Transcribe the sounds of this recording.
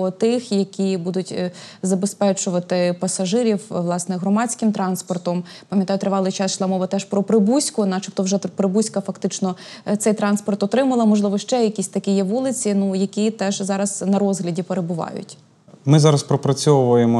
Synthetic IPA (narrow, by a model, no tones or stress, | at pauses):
ɔt̪ɪxjɐkʲibud̪ʊtʲzɐbespɛt͡ʃʊʋɐt̪ɪpɐsɐʒɪɾʲiwʋlˠɑsnɛɦɾɔmɑt͡sʲkɪmt̪ɾɑnspɔrt̪ɔm | pɐmʲjɐt̪ɑjʊt̪ɾɪʋɑlˠɪjt͡ʃɑsʃlˠɑmɔʋɐt̪ɛʃpɾɔpɾɪbusʲkʊnɐt͡ʃɪpt̪ɔwʒɛpɾɪbusʲkɐfɐkt̪ɪt͡ʃnɔt̪sɛjt̪ɾɑnspɔrt̪ɔt̪ɾɪmɐlˠɐmɔʒlˠɪʋɔʃt͡ʃɛjɐkʲisʲt̪ɐkʲijɛʋɔlˠɪt͡sʲinujɐkʲit̪ɛʒzɑɾɐz̥nɐɾɔzɦlʲɐdʲipeɾebʊʋɑ̰jʊ̰tʲ | mɪzɑɾɐspɾɔpɾɐt͡sʲɔʋɐjemɔ